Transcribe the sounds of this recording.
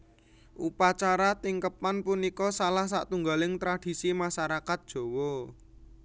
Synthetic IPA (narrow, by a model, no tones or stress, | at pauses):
ʔupat͡ʃaɾat̪iŋkəpanpunikɔsalahsa̰ʔt̪uŋɡalɪŋt̪ɾad̥i̤simaʃaɾakat̪̚d̥ʒ̥o̤wɔ